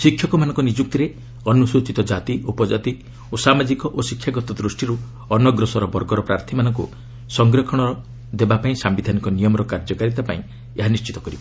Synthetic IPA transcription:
sikʰːjɔkɔmanɔ̃ŋkɔnid͡ʒuk̚t̪iɾe | ɔnusut͡ʃit̪ɔd͡ʒat̪iʔupɔd͡ʒat̪i | osamad͡ʒikɔʔosikʰjaɡɔt̪ɔd̪ɾusʈiɾu | ɔnɔɡɾɔsɔɾɔbɔɾɡɔɾɔpɾaɾt̪ʰimanɔŋkṵ | sɔŋɡɾɔkʰɔɽ̃ɔɾɔ | d̪ebapaĩsambid̪ʱanikɔnijɔmɔɾɔkaɾd͡ʒɔkaɾit̪apa̰ĩ | eɦanist͡ʃi̥t̪ɔ̥kɔɾiba

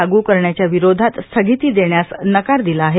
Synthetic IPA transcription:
aɡuːkəɾɳjat͡ɕjaʋiɾod̪ʱat̪st̪ʰəɡit̪iːd̪eɳjasnəkaɾd̪ilaːɦe

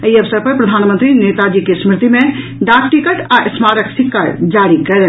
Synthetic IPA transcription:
əiɐʋsəɾpɐɾpɾɐd̪ʱaːnmə̃nt̪ɾineːt̪ad͡ʒiːkesmɾɪt̪imẽ | ɖaːkʈikəʈaʔɪsmaːɾəksɪkːaɾd͡ʒaːɾikɐɾe

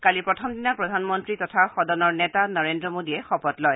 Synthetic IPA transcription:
kalipɹɔtʰɔmdinapɹɔdʱanmɔntɹitɔtʰaxɔdɔnɔɹnɛtanɔɹendɹɔmodiɛxɔpɔtlɔj

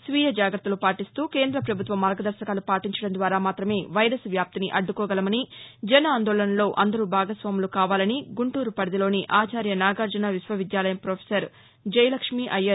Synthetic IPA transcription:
sʋiːjɐd͡ʒaːɡɾɐt̪ːɐlupaːʈist̪uːkeːnd̪ɾɐpɾɐbʱut̪ʋɐmːɐɾɡɐd̪ɐɾʃɐkaːlupaːʈiɲt͡ʃɐɽɐnd̪ʋaːɾaːmaːt̪ɾɐme̞ːʋɐjɾɐsʋjaːp̚t̪iniʔɐɖːukɔːɡɐlɐmɐnid͡ʒɛnɐaːnd̪oːlɐnɐlo̞ːʔɐnd̪ɐɾubʱaːɡɐsʋaːmulukaːʋaːlɐniɡuɳʈuːɾupɐɽɐd̪ilo̞ːniʔaːt͡ʃaːɾjɐnaːɡaːɾd͡ʒɐnaːʋisʋɐʋid̪jaːlɐjɐmpɾoːpʰesɐɾ | d͡ʒɐjlɐkʂmiʔɐjːɐɾ

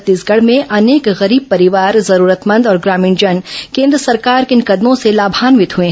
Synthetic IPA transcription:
t̪ːiːsɡɐɽ̤mẽʔɐneːkɣɐɾiːb̚pɐɾɪʋaːɾzɐɾuːɾət̪mə̃nd̪ɔːɾɡɾaːmĩːnd͡ʒɐnkẽːnd̪ɾəsɐɾkaːɾkɪnkɐd̪mõselaːbʱaːnʋɪt̪ɦuẽ

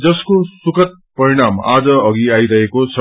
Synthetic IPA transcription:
d͡zʌskosukʌt̪̚pʌɾiɽ̃ama̰d͡zʌʌɡiajɾʌɦekot͡sʰʌ

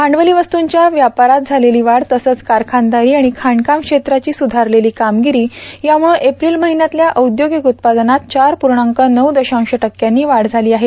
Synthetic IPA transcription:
kʰaɳɖʋəliʋəst̪uɲt͡ɕjaʋjapaɾat̪̚d͡zʱaleliːʋaɽt̪əsəːt͡skaɾkʰand̪aɾiːaɽ̃ikʰaɳɖkamkʂet̪ɾat͡ɕiːsud̪ʱaɾleliːkamɡiɾiːjamuɭũʔepɾiːlməɦinjat̪ljaʔəwd̪joɡikut̪̚pad̪nat̪̚t͡ɕaɾpuɾɳaŋkənəwd̪əɕãw̃ɕəʈəkjanːiːʋaɽd͡zʱaliːaɦet̪

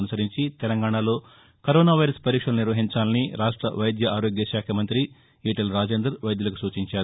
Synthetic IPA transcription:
nusɐɾiɲt͡ʃit̪ɛlɐŋɡaːɳɐlo̞ː | kɐɾoːnaːʋɐjɾɐspɐɾiːkʂɐluniɾʋɐɦiɲt͡ʃaːlɐniɾaːʂʈɾɐ̰ʋɐjd̪jɐaːɾoːɡjɐʃaːkʰɐmɐnt̪ɾi | iːʈɐlɾaːd͡ʒeːnd̪ɾɐɾʋɐjd̪julɐkusuːt͡ʃiɲt͡ʃaːɾ

